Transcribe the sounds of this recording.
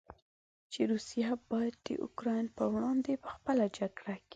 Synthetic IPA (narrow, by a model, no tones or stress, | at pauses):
t͡ʃeɾusijabɑjad̪ːə̰ʔʊ̰kɾɑjnpəwɽɑnd̪epə̥xpəlad͡ʒaɡɽaki̥